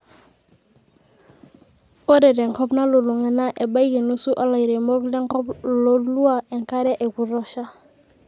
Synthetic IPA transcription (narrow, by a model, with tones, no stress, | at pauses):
o˦dɛ˨dɛ˨ŋ˨kɔ˦pna˦lo˨lu˨ŋə˦na˦ʔe˨ba˦jɡi˨nu˦su˦ʔa˦la˨i˨ɾe˨mɔ˦klɛ˦ŋkɔ˦plo˨lu˦a˦ʔe˨ŋka˦ɾɛ˦ʔe˨ku˨ɾɔ˦ʃa˦